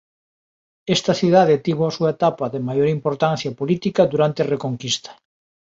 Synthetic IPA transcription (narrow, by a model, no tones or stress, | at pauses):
est̪ɐθiðað̞et̪iβoasuaet̪apaðemajoɾimpoɾt̪an̟θjapolit̪ikɐðuɾant̪erekoŋkist̪ḁ